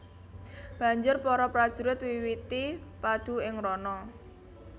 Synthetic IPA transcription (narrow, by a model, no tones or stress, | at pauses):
b̥ä̤ɲd͡ʒʊrpɔɾɔpɾad̥ʒ̥ṳɾɪt̪wiwit̪ipad̪̥ṳɪŋɾɔnɔ